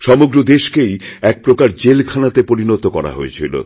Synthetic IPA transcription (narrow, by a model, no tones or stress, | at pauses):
ʃɔmoɡɾod̪eʃkejɛk̚pɾokaɾd͡ʑelkʰanat̪epoɾinot̪okɔɾa̰ɦo̰ḛt͡ɕʰilo̰